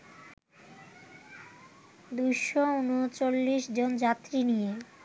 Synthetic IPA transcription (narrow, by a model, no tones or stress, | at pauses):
d̪ujʃounot͡ɕolːiʃd͡ʑond͡ʑat̪ːɾinije